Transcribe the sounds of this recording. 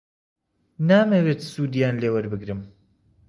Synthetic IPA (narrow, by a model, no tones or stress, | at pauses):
naːmɐweːt̪suːd̪ijaːnleːwɐɾbɨɡɾɨm